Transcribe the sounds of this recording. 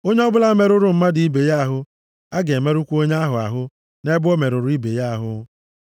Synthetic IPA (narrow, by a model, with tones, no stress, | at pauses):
o˦ɲe˦ɔ˦bʊ˦la˦me˦ɾʊ˦ɾʊ˨m̩˦ma˦dɪ˨i˦be˨ja˦a˦˨ɦʊ˦ | a˦ɡe˨me˦ɾu˦kʷo˦ɲe˦a˦ɦʊ˨a̰˨ɦʊ˦ | ne˦bʊ˦o˦me˨ɾʊ˨ɾʊ˦i˦be˨ja˦a˨ɦʊ̰˦